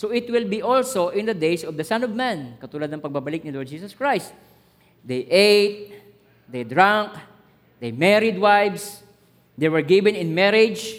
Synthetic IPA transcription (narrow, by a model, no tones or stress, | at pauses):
soʔɪt̪wɪlbiʔɔlsoʔɪ̃nd̪ɐd̪ejsɔvd̪ɐsãnɔvmɛ̃nkɐt̪ulad̪nɐŋpɐɡ̚bɐbɐlɪk̚nɪlɔɹd̪̚d͡ʒiːsɐskɹajst̪̚ | d̪ejʔejt̪̚ | d̪ejd̪ɹãŋk | d̪̥ejmɛɾɪd̪wajvs | d̪ejwɛɹɡɪvɛ̃nɪnmɛɾɪd͡ʒ